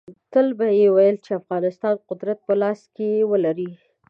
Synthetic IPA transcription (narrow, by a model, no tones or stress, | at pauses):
t̪əlbajewajəlt͡ʃeafɣɑnɪst̪ɑnqʊd̪ɾat̪̚pəlɑskewəlaɾi